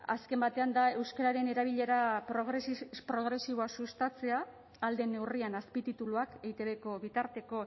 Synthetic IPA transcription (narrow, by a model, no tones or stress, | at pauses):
a̰ske̞mbat̪e̞and̪ae̞wskaɾaɾe̞ne̞ɾaβ̞iʎe̞ɾapɾoɣɾepɾo̞ɣɾe̞siβo̞asust̪at͡se̞aː | ld̪e̞ne̞wrianaspit̪it̪uluakejt̪e̞βe̞ko̞βit̪aɾt̪e̞ko̞